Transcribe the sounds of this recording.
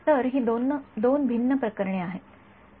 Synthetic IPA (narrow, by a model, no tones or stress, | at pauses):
t̪əɾɦiːd̪ond̪onbʱinːəpɾəkəɾɳeaɦet̪